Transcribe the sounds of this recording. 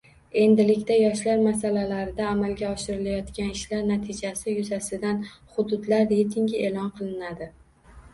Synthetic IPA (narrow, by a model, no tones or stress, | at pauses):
e̞nd̪ɪlɪkʲt̪ajɒʃlaɾmasalalaɾɪd̪aːmalɡʲaɒʃɪɾɪlajɒt̪kʲanɪʃlaɾnat̪ʰɪd͡ʒasɪjʊzasɪd̪anχʊd̪ʊd̪laɾːejt̪ʰɪŋɡʲɪe̞lˠɒnqʰɨlˠɪnad̪ɪ